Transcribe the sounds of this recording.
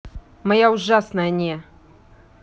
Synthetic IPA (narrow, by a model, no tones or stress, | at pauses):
mɐjaʊʐasnəjənʲɛ